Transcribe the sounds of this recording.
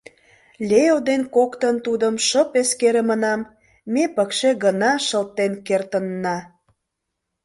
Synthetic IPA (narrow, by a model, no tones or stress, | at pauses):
lʲejod̪enkokt̪ənt̪ud̪əmʃəpeskeɾemənɑmː | epəkʃeɣənɑʃəlt̪ːenkert̪ənːɑ